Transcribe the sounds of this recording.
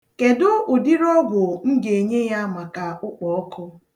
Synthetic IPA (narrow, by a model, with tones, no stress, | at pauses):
ke˨dʊ˦ʔʊ˨di˦ɾɔ˦ɡʷʊ˨ŋ̩˦ɡe˨e˨ɲe˦ja˦ma˨ka˨ʊ˦k͡pɔ˨ɔ˦kʰɔ˦